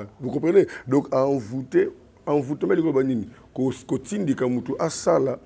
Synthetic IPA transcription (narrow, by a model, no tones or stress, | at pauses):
vukɔ̃pʰɛnedɔ̃kavute | aɱvutamlikoanini | okotindikamutuʔasala